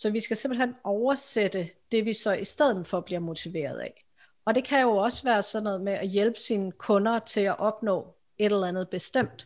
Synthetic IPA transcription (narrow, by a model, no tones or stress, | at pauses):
sɒ̽ʋisɡ̥æse̝m̰b̥l̩henɒʊɐsed̥əd̥e̝ʋisɒ̽ʔisd̥eð̞̰ˠn̩fɒ̽b̥liɐmo̝t͡sʰiʋe̝̰ːɐð̞ˠæ̰ | ɒ̽d̥e̝kʰæjo̝ɒ̽səʋæːɐsɒ̽d̥nɔ̽ːð̩ˠmeʔæjelb̥ə̥siːnəkʰɔ̽nɐt͡sʰe̝læʔɒ̽b̥nɔ̰̽ː | e̝ɾ̥elɐænð̞̩ˠb̥e̝sd̥em̰d̥